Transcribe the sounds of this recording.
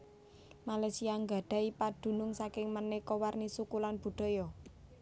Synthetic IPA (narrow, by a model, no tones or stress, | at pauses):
malasiaŋɡa̤ɖ̥ä̤ipaɖ̪̥ṳnʊŋsakɪŋmənekɔwarnisukulanb̥ṳd̥ɔ̤jɔ